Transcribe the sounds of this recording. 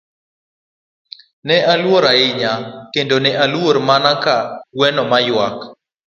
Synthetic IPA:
nɛʔalwoɾaɪɲakendonɛʔalwoɾmanakawɛnɔmajwak

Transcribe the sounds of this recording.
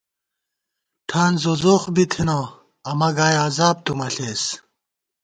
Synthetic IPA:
ʈʰaːnzozoːxbit̪ʰino | ɐmɐɡaːjaːzaːb̚t̪umɐɬeːs

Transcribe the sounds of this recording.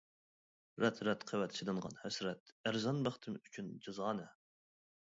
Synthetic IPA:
ɾɛt̪ɾɛt̪qʰəwɛt̪ʃʰid̪ɨnʁɑ̰nhæsɾɛt̪æɾzɑnbɑχt̪ʰɨmyt͡ʃʲʰynd͡ʒɨzɑːnɨ

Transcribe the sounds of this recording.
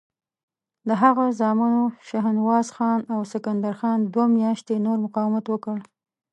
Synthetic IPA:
d̪əɦaɣazɑmanoʃaɦɪnwɑzxɑnawsɪkand̪aɾxɑnd̪wamjɑʃt̪enoɾmʊqɑwɪmat̪wəkəɽ

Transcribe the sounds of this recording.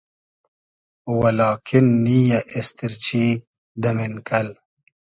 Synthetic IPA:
wɐlɑːkʰinːiːjaʔest̪iɾt͡ɕiː | d̪ɐminkʰɐl

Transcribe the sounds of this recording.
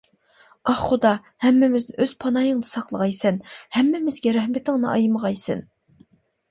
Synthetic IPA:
ɑχχod̪ɑ | hɛmːɪmɪznɪʔøz̥pʰɑnɑjɨŋd̪ɨsɑqlˠəʁɑjsɛnhɛmːɪmɪzɡʲɛɾɛhmɪt̪ɪŋnɨʔɑjməʁɑjsɛ̰n

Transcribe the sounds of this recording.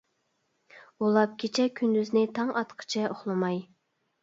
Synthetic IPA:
ulˠɑp̚kʲʰet͡ʃʰɛkʲʰynd̪yznɪt̪ʰɑŋɑt̪qʰə̥t͡ʃʰɛʔoχlˠɨmɑj

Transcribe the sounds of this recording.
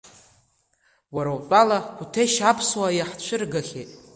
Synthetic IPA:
waɾawpʼalakʷʰutʰejʃapʰswajaħt͡ɕʷʰɨrɡaχʲḛtʼ

